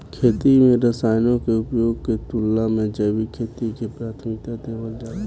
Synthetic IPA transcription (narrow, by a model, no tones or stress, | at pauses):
kʰeːt̪imẽɾəsaːɪnõkeʊpjoːɡket̪ʊlːamẽd͡ʒəːbikʰeːt̪ikepɾaːt̪ʰmit̪eːt̪eːbəld͡ʒaː